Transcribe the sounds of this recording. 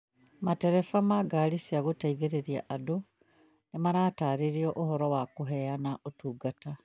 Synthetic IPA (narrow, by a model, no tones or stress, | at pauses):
mateɾefamaɡalisiaɣotaiðeɾeɾija̰ʔado | nemaɾaːtaːɾiɾiɔʔohɔɾɔwakoɦɛanaʔotuːɡata